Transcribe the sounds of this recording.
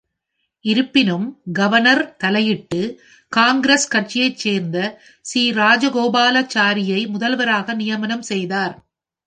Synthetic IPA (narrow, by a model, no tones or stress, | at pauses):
ʔɪɾɯpːɪnɯmɡɐʋɐɳɐɾt̪ɐlɐjɪʈːɯ | kaːŋɡɪɾɐskɐʈ̚t͡ʃɪjɐɪt͡ʃːeːɾnd̪ɐ | siːɾaːd͡ʒɐɣoːbaːlɐt͡ʃaːɾɪjɐɪmʊðɐlʋɐɾaːɣɐnɪjɐmɐnɐmsɛjðaːɾ